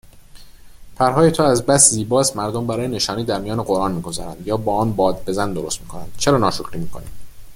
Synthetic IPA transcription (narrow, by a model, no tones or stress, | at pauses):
pʰæɾɦɒːjet̪ʰoːæzbæsziːbɒːst̪mæɾd̪ombæɾɒːjene̞ʃɒːniːd̪æɾmijɒːneɢo̞ɾʔɒːnmiːɡo̞zɒ̰ːɾæ̰nd̪jɒːbɒːɒːnbɒːd̪̚be̞zænd̪oɾost̪miːkʰo̞næ̰nd̪̥̚t͡ʃʰe̞ɾɒːnɒːʃokʰɾiːmiːkʰoniːm